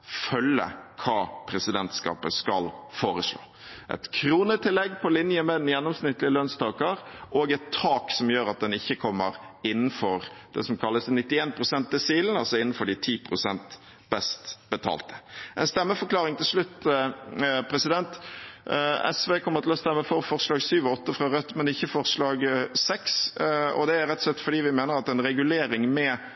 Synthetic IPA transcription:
fœlə̰kʰɑːpʰɾɛsɪd̪ɛnt̪skɑ̰ːpəskɑ̰lfoːɾəʂlo̰ː | ʔɛ̰t̪kʰɾuːnət̪ʰɪlːɛɡːpʰɔlɪnjəmɛd̪ɛnjɛnːɔmsnɪt̪ːlɪəløːnst̪ʰɑːkəɾʔoːɡɛt̪ʰːɑːksɔmjøːɾɑt̪̚d̪ɛnɪçːəkʰɔmːəɾɪnːn̩fɔɾd̪̥ɛ̰sɔmkʰɑlːəsnɪt̪ːɪeːnpʰɾʊsɛnt̪̚d̪ɛsiːlənɑlsɔɪnːn̩fɔɖɪt̪ʰiːpʰɾʊsɛnt̪ | bɛst̪b̥ət̪ʰɑ̰ːlt̪ə̥ʔɛ̰nst̪ɛmːəfɔɾklɑːʁɪŋt̪ʰɪlʂlʉt̪ː | pʰɾɛsɪd̪ɛnt̪ | ɛ̰sʋeːkʰɔmːəɾt̪ʰɪlɔst̪ɛmːəfɔɾfɔɾslɑːɡsyːʋɔɔt̪ːəfɾɑɾœt̪ːmɛnɪçːəfɔɾslɑːɡsɛksɔ̰d̪ɛæɾɛt̪ːsɛt̪ːfɔɖiːʋɪmeːnəɾɑt̪ɛnɾɛɡʉleːɾɪŋmɛ

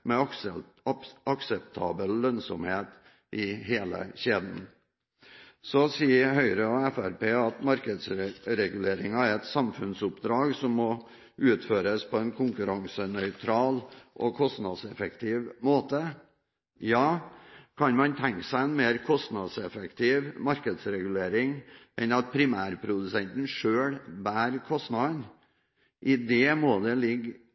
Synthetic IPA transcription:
mɛ | ɑksɛpt̪ʰɑ̰ːbəllœnsɔ̰mheːt̪ | ʔɪɦeːlə̰ɕeːd̪n | sɔsiːəɦœʏɾəɔæfæɾpeːɑt̪mɑɾkəd̪sɾɛɡʉleːɾɪŋɑæɾɛt̪sɑmfʉnsʊpd̪ɾɑːɡsɔmːɔ | ʔʉːt̪føːɾəspʰɔɛnkʰʊŋkʉɾɑŋsənœʏt̪ʰɾɑːlʔɔkʰɔst̪nɑd̪sɛfək̚t̪ʰɪːʋmoːt̪ə | jɑːkʰɑnmɑnt̪ʰɛŋksæɪɛnmeːɾkʰɔst̪nɑd̪sɛfɛkt̪ʰiːʋmɑɾkəd̪sɾɛɡʉleːɾɪŋʔɛnɑt̪̚pʰɾɪmæːɾpʰɾʊd̪ʉsɛnt̪nʂøːɽbæːɾkʰɔst̪nɑd̪n | ʔɪd̪ɛmoːd̪ɛlɪɡː

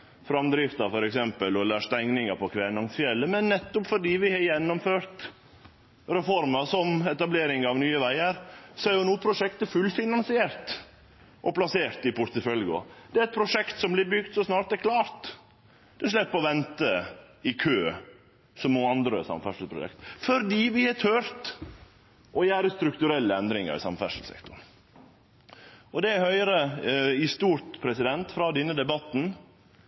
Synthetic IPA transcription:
fɾɑmd̪ɾɪft̪ɑfɔɾɛksɛmpəlɔlːəɾʂt̪æŋnɪŋəpʰɔkʰʋɛːnɑŋsfjɛlːəmɛnːɛt̪ːɔpfɔɖiːʋɪhɑjɛnːɔmføːɾt̪ | ɾɛfɔɾməsɔmɛt̪ɑbleːɾɪŋɑʋnyːəʋæɪəɾsɔæɾjʊnuːəpʰɾʊʂɛkt̪əfʉlfɪnɑnsɪeːɾt̪ | ʔɔplɑseːɾt̪ɪpʰʊɾt̪əfœlɡʊ̰d̪̥ɛæɾɛt̪̚pʰɾʊʂɛkt̪sɔmblɪbʏɡt̪sɔsnɑːɾt̪̚d̪ɛɾkʰlɑːɾt̪ | d̪̥ɛʂlɛpːɔʋɛnt̪ə | ɪkʰøː | sɔmoːɑnd̪ɾə̰sɑ̰mfæʂəl̩pʰɾʊ̰ɛ̰kt̪fɔɾd̪iːʋɪhɛt̪ʰœɾt̪ | ʔɔjæːɾəst̪ɾʉkt̪ʉɾɛlːəɛnd̪ɾɪŋə̰ɾɪ̰sɑ̰mfæ̰ʂəl̩sɛ̰kt̪ʊn | ɔd̪ɛæhœʏɾəɪst̪uːɾt̪pʰɾɛsɪd̪ɛnt̪fɾɑːd̪ɛnːəd̪ɛbɑt̪ːn̩

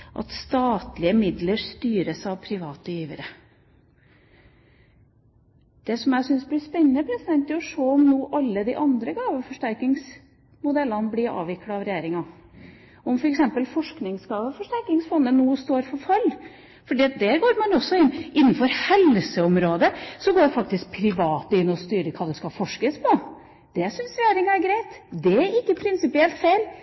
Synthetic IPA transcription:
ʔɑ̰t̪st̪ɑːt̪lɪəmɪd̪ləɾst̪yːɾəsɑʋpʰɾɪʋɑːt̪əjiːʋəɾə | d̪̥ɛsɔmjæsʏnsblɪspɛnːənəpʰɾɛsɪd̪ɛnt̪ɔʂoːɔmnuːʔɑlːəd̪ɪʔɑnd̪ɾəɡɑːʋəfɔʂʈæɾkɪŋs | mʊd̪ɛlːɑnblɪɾɑ̰ːʋɪkːɽɑɑʋɾɛjeːɾɪŋɑ | ɔmfɔɾɛksɛmpəlfɔʂknɪŋsɡɑːʋəfɔʂʈæɾkɪŋsfɔnːənnːuːst̪oːɾfɔɾfɑlː | fɔɖiːɑt̪̚d̪æːɾɡoːɾmɑnɔsːɔɪnːʔɪnːənfɔɾhɛlsəɔmɾoːd̪əsɔɡoːɖfɑkt̪ɪsk̚pʰɾɪʋɑːt̪ɪnːɔst̪yːɾəkʰɑːd̪ɛskɑfɔʂkəspʰɔ | d̪̥ɛsʏnsɾɛjeːɾɪŋæɾɡɾæɪt̪d̪ɛæɾɪkːəpʰɾɪnsɪpɪɛlt̪feɪl

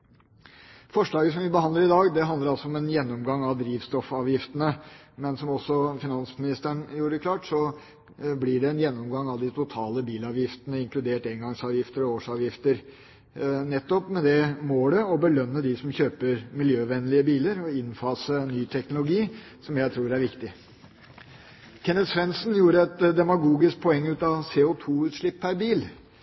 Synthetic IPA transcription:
fɔʂɭɑːɡəsɔmʋɪbəhɑnd̪əɾɪd̪ɑːɡd̪ɛɦɑnd̪əɾɑlsɔɔmɛnjɛnːɔmɡɑŋːɑʋd̪ɾiːʋst̪ɔfɑːʋjɪft̪ənə | mɛnsɔmɔsːɔfɪnɑnsmɪnɪst̪æɳjuːɾəkʰlɑːʈsɔ | blɪɖɛɛnjɛnːɔmɡɑŋːɑʋd̪ɪt̪ʰʊt̪ʰɑːləbiːlɑːʋjɪft̪ənəɪŋklʉd̪eːʈɛŋɡɑŋsɑːʋjɪft̪əɾɔoːʂɑːʋjɪft̪əɾ | nɛt̪ːɔpmɛd̪ɛmoːɖ̪əɔbəlœnːəd̪ɪsɔmçøːpəɾmɪljøːʋɛnːlɪəbiːləɾɔɪnfɑːsənyːt̪ʰɛknʊlʊɡiː | sɔmjæɪt̪ʰɾuːɾæɾʋɪkt̪ɪ | kʰɛnət̪sʋɛnsnjuːɾəɛt̪d̪ɛmɑɡuːɡɪsk̚pʰɔɛŋːʉːt̪ɑseːʊt̪ʰuːʉːt̪ʂɭɪpʰːæɾbiːl

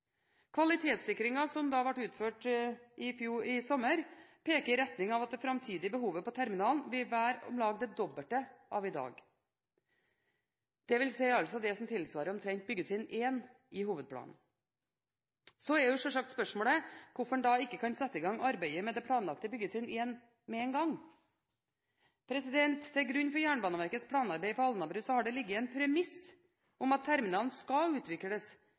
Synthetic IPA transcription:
kʰʋɑlɪt̪ʰeːt̪sɪkɾɪŋɑsɔmd̪ɑːʋɑʈːʉːt̪føːʈɪfjuːɾɪsɔməɾpʰeːkəɾɪɾɛt̪nɪŋɑʋɑt̪̚d̪ɛfɾɑmt̪ʰiːd̪ɪəbəɦuːʋəpɔt̪ʰæɾmɪnɑːlˠnʋɪlʋæːɾɔ̰mlɑːɡd̪ɛd̪ɔbəlʈ̪əʔɑʋɪd̪ɑ̰ːɡ | d̪̥ɛʋɪlsæɪɑlsɔd̪ɛsɔmt̪ʰɪlsʋɑːɾəɔmt̪ʰɾɛŋt̪̚bʏɡːət̪ʰɪneːn | ʔɪɦuːʋəd̪̚pʰɽɑ̰ːnn̩ | sɔɛjʊʂɔʂɑk̚t̪spœʂmoːɽəkʰʊfɔɳd̪ɑːɪkːəkʰɑnsɛt̪ːəɪɡɑŋɑɾbæɪəmɛd̪ɛpʰlɽɑːnlɑkt̪əbʏɡət̪ʰɪneːn | mɛɛnɡɑŋ | pʰɾɛsɪd̪ɛnt̪t̪ʰːɛɾɡɾʉnːfɔɾjæːɳəbɑːnəʋæɾkət̪spʰɽɑːnɑɾbæɪpʰɔɑlnɑbɾʉːsɔhɑɖɛlɪɡːəɛnpʰɾɛmɪs | ɔmɑt̪ʰːæɾmɪnɑːln̩skɑʉːt̪ʰʋɪkːələs

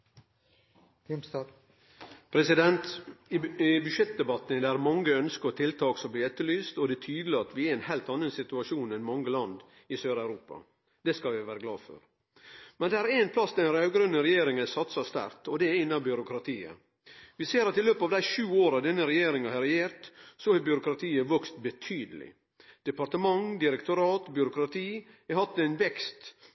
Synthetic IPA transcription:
ms | pʰɾɛsɪd̪ɛnt̪ | ɪbʉʂɛt̪̚d̪ɛbɑt̪ːənd̪ɛæɾmɑŋːəœnskəɾɔt̪ʰɪlt̪ʰɑːksɔbliːɛt̪ːəlyːst̪ɔd̪ɛt̪ʰyːd̪əlɪɑt̪ʋɪæɛɪnhæːlt̪ɑnːənsɪt̪ʉɑʂuːnɛnmɑŋːəlɑnd̪ | ɪsøːɾæʉɾuːpɑ̰ | d̪̥ɛskɑlʋɪʋæːɾəɡlɑ̰ːd̪fø̰ɾ | mɛnd̪ɛæːɾæɪnpʰlɑsd̪ɛnɾɑːɡɾœnːəɾɛjeːɾɪŋənɛsɑt̪sɑst̪æ̰ɾt̪ɔd̪ɛɛɾɪnːɑbʏɾʊkʰɾɑt̪ʰiːə̰ | ʋɪseːɾɑt̪ɪløːpəɑʋd̪æɪʃʉːoːɾɑʋd̪ɛnːəɾɛjeːɾɪŋɑhɑɾɛjeːɾt̪sɔhæbʏɾʊkɾɑt̪ʰiːəʋœkst̪bɛt̪ʰyːd̪əlɪ̰ | d̪̥ɛpɑɾʈəmɑŋd̪ɪɾɛkt̪ʊɾɑːt̪bjʏɾʊkɾɑt̪ʰiː | ɛhɑt̪ːɛɪnʋɛkst̪

